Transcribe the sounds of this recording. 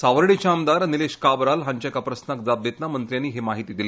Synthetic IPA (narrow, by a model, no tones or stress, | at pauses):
saʋəɾɽit͡ɕaːmd̪aɾnileɕkabɾalɦãɲt͡ɕjakapɾəsnak̚d͡zab̚d̪et̪namənt̪ɾjanːiːɦemaɦit̪iːd̪ile